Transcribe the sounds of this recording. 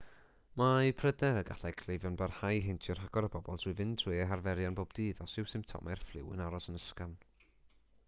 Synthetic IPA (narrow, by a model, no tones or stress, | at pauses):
majpʰrədɛɾəɡa̰ɬɛkʰl̥ejvjɔnbarhajɦɪntʰjɔrɦaɡ̥ɔɾəbɔbɔlˠd̥ʰɨvɨndʰr̥iɛɦarvɛɾjanboːb̚diːðɔsɪwsɪmtʰɔ̰mɛrflˠɪwɨ̰naɾɔsənəskan